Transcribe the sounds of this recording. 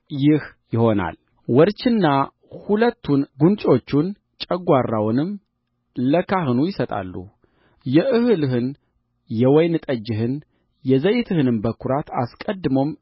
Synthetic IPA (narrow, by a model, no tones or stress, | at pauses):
jɪhjɪho̞na̰l | wɔɾt͡ʃɪnːa | hulət̪ʰːunɡunt͡ʃʼo̞t͡ʃːun | t͡ʃʼəɡʷarːawnɨm | ləkʰahɨnujɪsət̪ʼa̰lːṵ | jɛʔɨhɨlɨɦɨn | jɛwɔjnɨt̪ʼəd͡ʒːɪɦɨn | jɛzəjɪt̪ʰɨhɨnɨmbəkʰuɾat̪ʰa̰skʼəd̪ːɨmo̞m